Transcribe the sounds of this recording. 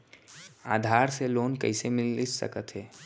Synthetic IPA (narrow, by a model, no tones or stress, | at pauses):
aːd̪ʱaːɾseloːnkə̰ɪsemɪlsə̰kət̪ɦɛː